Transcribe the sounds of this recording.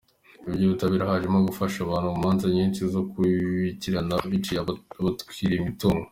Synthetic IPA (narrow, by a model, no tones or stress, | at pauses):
ibɟoβitaβiːɾahaʒemaɡufaʃaβaːnhuumaːnzaɲiːnʃizo̞kuβiciɾanaβit͡ʃiaβatkiːɾeimituːŋɡo